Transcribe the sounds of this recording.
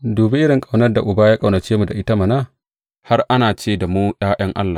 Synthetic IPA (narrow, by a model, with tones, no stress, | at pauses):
doː˨bi˦ʔɪ˦ɽɪ˨ŋkʼa˨wnɐ˦rda˨ʔʊ˨baː˦ja˦kʼa˨wnɐ˨t͡ʃeː˦mu˨da˨ʔɪ˦ta˦ma˨naː˦ | ha˦rʔa˦naː˨t͡ʃeː˦˨da˨mu˦ɗaː˦ʔɐ˦ŋʔa̰˦lːa˨